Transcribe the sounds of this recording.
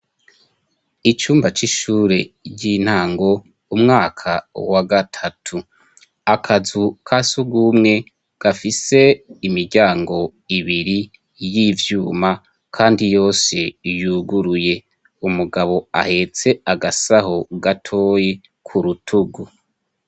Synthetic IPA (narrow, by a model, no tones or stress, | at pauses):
it͡ʃuːmbat͡ʃiʃuːɾe̞ɾɟin̥haːŋɡo̞ | umŋaːkʰawaɡatʰatʰu | akʰazukʰasuɡumŋe̞ | ɡ̥afise̞imiɾɟaːŋɡo̞ | iβiɾi | jivjuːma | kʰaːndijo̞ːsejuːɡuɾuje̞ | umuɡaβo̞a̰he̞t͡se̞aɡasahoɡatʰo̞ːje | kʰuɾutʰuɡu